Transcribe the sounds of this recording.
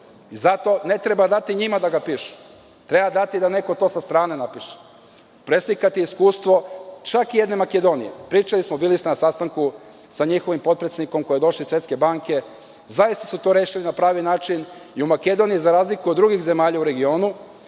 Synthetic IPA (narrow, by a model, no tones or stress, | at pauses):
izat̪o̞ne̞t̪ɾe̞bad̪at̪iɲimad̪aɡapiʃu̥ | t̪ɾe̞bad̪at̪id̪ane̞ko̞t̪o̞sast̪ɾaːne̞napiʃe̥ | pɾeslikat̪iiskuːst̪ʋo̞t͡ʃakije̞d̪ne̞make̞d̪o̞nḭjepɾiːt͡ʃalismobilisenasast̪aŋku | saɲixo̞ʋimpo̞t̪̚pɾet̪sed̪niko̞mko̞jed̪o̞ʃlisʋjet̪ke̞baŋke̞ | zajist̪asut̪o̞ɾeːʃilinapɾaːʋinaːt͡ʃiniumake̞d̪o̞nijizaɾaːzlikuod̪ːɾuɡixze̞maːʎauɾe̞ɡio̞ːnu